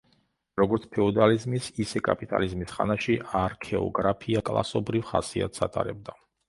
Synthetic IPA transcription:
ɾɔɡɔɾt̪sʰpʰɛɔd̪alizmisisɛkʼapʼit̪ʼa̰lizmisχa̰naʃiʔaɾkʰɛɔ̰ɡɾapʰiakʼlˠa̰sɔbɾivχa̰sia̰t̪ʰsat̪ʼa̰ɾɛb̚d̪a

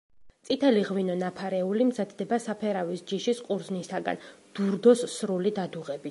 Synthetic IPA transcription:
t̪sʼit̪ʰɛliʁvinɔnapʰaɾɛulimzad̪d̪ɛbasapʰɛɾavisd͡ʒiʃisqʼuɾznisaɡa̰nd̪̥uɾd̪ɔsːɾulid̪ad̪uʁɛbi

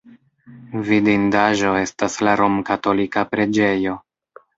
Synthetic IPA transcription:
vidindaʒo̞e̞staslaɾo̞mkato̞likapɾe̞d͡ʒe̞jo̞

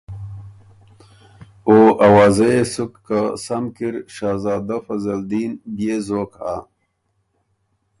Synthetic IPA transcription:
oʔɐwaːzɐesukːasɐmkiɾɕaːzaːd̪afɐzɐld̪iːnbjeːzoːka̰

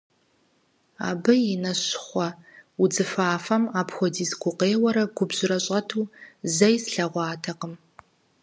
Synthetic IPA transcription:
a̰ːbɨjɪnɐɕχʷɔʊd͡zɨfaːfɐmaːpxʷɔdiːzɡʷʊqeːwɐɾɐɡʷʊbʑɪɾɐɕʼɐtʰuːzɐjsɬɐʁʷɑːtʰɐqəm

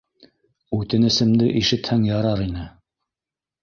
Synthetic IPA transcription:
ʉt̪ɘ̆nɘ̆sɘ̆md̪ɘʔiʃɘ̆t̪hæŋjɑɾɑɾinɘ

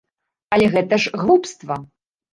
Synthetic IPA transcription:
ɐlʲɛɣɛt̪ɐʐɣlˠupst̪vɐ

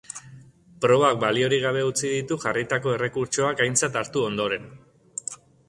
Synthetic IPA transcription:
pɾo̞βak̚balio̞ɾiɣ̞aβ̞e̞ut͡sið̞it̪uʝarit̪ako̞e̞re̞kuɾt͡ʃo̞akajnt͡sat̪aɾt̪uo̞nd̪o̞ɾe̞n

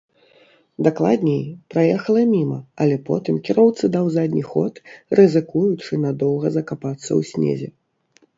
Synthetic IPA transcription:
d̪aklˠad̪ʲnʲejpɾajɛxɐlˠɐmʲimɐ̰ɐlʲɛpɔ̰t̪ɨmkʲiɾɔwt̪sɨd̪ɐwzad̪ʲnʲixɔ̰t̪rɨzɨkujut͡ʂɨnɐd̪ɔwɣɐzɐkapat̪sːɐ̰wsʲnʲḛzʲɛ

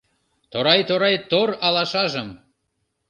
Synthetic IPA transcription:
t̪oɾɑjt̪oɾɑjt̪oɾɑlɑʃɑʒəm

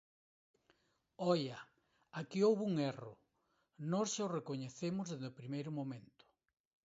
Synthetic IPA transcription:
ɔjɐ | akiowβuŋerʊ̰ | nɔsʃaorekoɲeθemʊzðezðʊpɾimejɾʊmõmẽnt̪ʊ̥

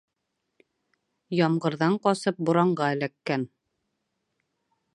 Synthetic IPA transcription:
jɑmʁɤ̆ɾðɑɴqɒsɤp̚buɾɑɴɢɑɘlækːæn

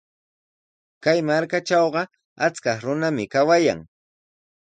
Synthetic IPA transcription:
kajmaɾkaʈ͡ʂɑwɢɑ | at͡skɑχɾʊnamɪkawaja̰ŋ

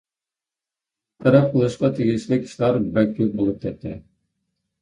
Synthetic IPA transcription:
t̪ʰɑɾɑp̚qʰəlˠɯʃqɑt̪ʰeɡʲiʃlɪkʲʰi̥ʃlæɾbælk̚ʲʰːbolˠup̚t̪ʲʰɛp̚t̪ʰːɪ

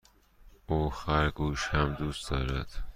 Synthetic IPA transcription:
uːxæɾɡuːʃhæmd̪uːsd̪ɒ̰ːɾæd̪̥

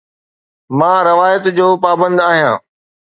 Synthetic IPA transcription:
mãːɾɪʋaːjət̪d͡ʑoːpaːbə̃nd̪aːɦijãː

